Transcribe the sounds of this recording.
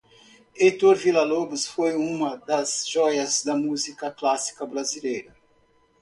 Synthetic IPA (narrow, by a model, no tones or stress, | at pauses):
ejt̪oɾvilɐlobusfojũmɐd̪ɐzʒɔjɐzd̪ɐmuzikɐklasi̥kɐbɾazilejɾɐ